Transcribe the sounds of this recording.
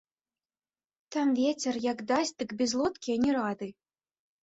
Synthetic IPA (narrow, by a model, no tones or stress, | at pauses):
t̪ɑmvʲet͡sʲĕrjɑkd̪ɑsʲd̪ɨ̆kbʲezlˠot̪kʲinʲiɾɑd̪ɨ